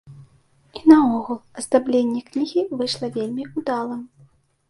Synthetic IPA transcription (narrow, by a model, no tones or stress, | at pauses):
inɐɔɣulˠɐzd̪ablʲenʲːɛknʲiɣʲivɨʂlˠɐvʲelʲmʲiud̪alˠɐm